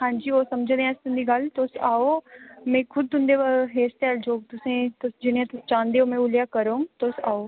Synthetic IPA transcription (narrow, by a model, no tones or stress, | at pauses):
hãːd͡ʒiːoːsəməd͡ʒ̃d̪eɛ̃ːst̪ʊnd̪iːɡəlt̪ʊsaːoːmɛ̃ːkʰʊd̪ʊ̃nd̪eːʋaɦeːst̪ɛːld͡ʒoːɡ̚t̪ʊsẽːt̪ʊd͡ʒɪnːãːt̪ʊst͡ʃãːnd̪eːɦoːmɛ̃ːʊljaːkəɾõːt̪osaːoː